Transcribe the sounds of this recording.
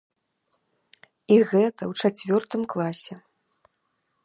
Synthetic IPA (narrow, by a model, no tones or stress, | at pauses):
iɣɛt̪ɐwt͡ʂat͡sʲvʲɔrt̪ɨmklˠasʲɛ